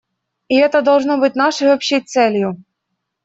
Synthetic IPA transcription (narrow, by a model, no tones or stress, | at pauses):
iɛt̪ɐd̪ɔlˠʐnɔbɪtʲnɑʂɪjɔpɕit̪sɛlʲjʊ